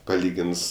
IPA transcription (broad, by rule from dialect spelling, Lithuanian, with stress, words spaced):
pɐˈlʲiːɡʲɪns